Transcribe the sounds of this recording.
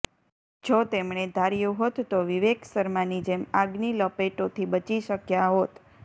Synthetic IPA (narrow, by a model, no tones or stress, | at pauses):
d͡ʒot̪emɳ̃ed̪ʱaɾjuɦot̪ːoʋiʋeksəɾmanid͡ʒemaɡniləpeʈot̪ʰibət͡ʃiʃəkjaɦot̪